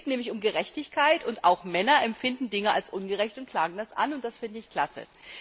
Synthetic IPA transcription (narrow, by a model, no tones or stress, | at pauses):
tnɛːmlɪçʊmɡəʁɛçtɪçkʰaɪtʊntaʊxmɛnɐʔɛmfɪndn̩dɪŋəa̰lsʔʊnɡəʁɛçtʊnt̚kʰl̥aːɡŋ̩d̥asʔa̰nʊnt̚d̥asfɪndəɪçkl̥asə̰